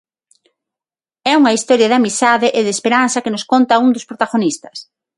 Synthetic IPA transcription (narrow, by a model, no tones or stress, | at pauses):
ɛuŋɐist̪ɔɾjɐðamisaðɪʔeðespeɾan̟θɐkɪnʊskont̪auŋd̪ʊspɾot̪aɣonist̪ɐ̥s